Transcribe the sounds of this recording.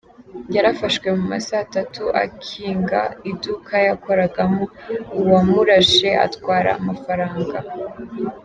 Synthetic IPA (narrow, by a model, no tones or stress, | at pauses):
jaɾafaʃkwe̞muma̰saːtatuʔa̰kʰiːŋɡa̰idukʰajako̞ɾaɡamouwamuɾaʃe̞a̰twaːɾa̰ːmafaɾaːŋɡa